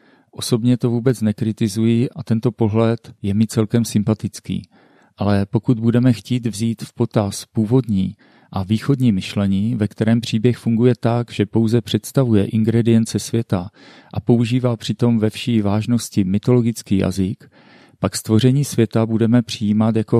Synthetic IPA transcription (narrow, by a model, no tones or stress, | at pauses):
ʔo̞so̞bɲɛt̪o̞vuːbɛt͡snɛkɾɪt̪ɪzujiʔat̪ɛnt̪o̞po̞ɦlɛt̪jɛmɪt͡sɛlkɛmsɪmpat̪ɪt͡skḭː | ʔalɛpo̞kud̪budɛmɛxciːt̪vziːt̪fpo̞t̪aspuːvo̞dɲiː | ʔaviːxo̞dɲiːmɪʃlɛɲiːvɛkt̪ɛɾɛːmpr̝̥iːbjɛxfuŋɡujɛt̪aɡʒ̥ɛpo̞wzɛpr̥ɛt̪st̪avujɛʔɪŋɡɾɛdɪjɛnt͡sɛsvjɛt̪a | ʔapo̞uʒiːvaːpr̝̥ɪt̪o̞mvɛfʃiːvaːʒno̞scɪmɪt̪o̞lo̞ɡɪt͡skiːja̰zɪk | pakst̪vo̞r̝ɛɲiːsvjɛt̪abudɛmɛpr̝̥ɪjiːmat̪jako̞